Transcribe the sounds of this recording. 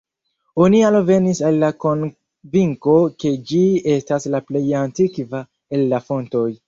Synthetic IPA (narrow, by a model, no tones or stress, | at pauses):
onialove̞nisalːako̞n | viŋko̞ke̞d͡ʒie̞staslaple̞jantikva | e̞lːafo̞nto̞j